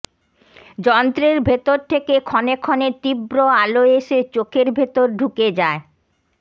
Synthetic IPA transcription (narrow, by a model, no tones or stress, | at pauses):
d͡ʑɔnt̪ɾeɾbʱet̪oɾt̪ʰekekʰɔnekʰɔnet̪ibɾoaloeʃet͡ɕokʰeɾbʱet̪oɾɖʱuked͡ʑae